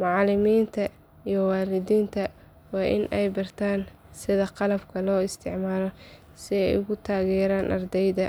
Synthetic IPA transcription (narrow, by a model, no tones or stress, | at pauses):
mʊʕɑlɪmiːnt̪ʰɐ | ijɔwaːlɪðiːnt̪ʰɐ | wɑːʔɪ̰nʔɛjbɐrt̪ʰaːn | sɪðɐqɑlɐbkʰɐlɔːɪst̪ʰɪʕmaːlɔ | sɪɛjʊɣʊt̪ʰaːɣɛːɾaːnʔɐ̰rd̪ɛjðɐ